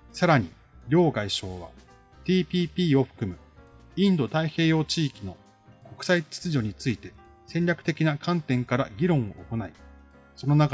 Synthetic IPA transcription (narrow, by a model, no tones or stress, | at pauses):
saɾaɲ̟ḭ | ɾʲo̞ːɡaiɕo̞ːβa̰ | t̪ʲiːpʲiːpʲiːoɸɯ̥kɯ̟mɯ̟ | ĩnd̪o̞t̪aihe̞ːjo̞ːt͡ɕiːkʲino̞ | ko̞kɯ̟̥sait͡ɕi̥t͡sɨʑo̞ɲ̟it͡sɨit̪e̞ | sẽ̞ɲʲɾʲakɯ̟t̪e̞kʲinakʰãnt̪ẽ̞ŋkaɾaɡʲiɾõ̞ɰ̃o̞̰ʔoko̞nai | so̞no̞naka